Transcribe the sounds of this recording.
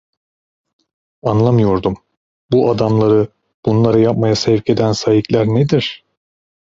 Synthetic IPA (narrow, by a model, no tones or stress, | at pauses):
anlˠamɯjo̞ɾd̪um | buʔad̪amlˠaɾɯ | b̥unlˠaɾajap̚majasɛvcʰe̞d̪ænsajiclʲæɾned̪iɾ̥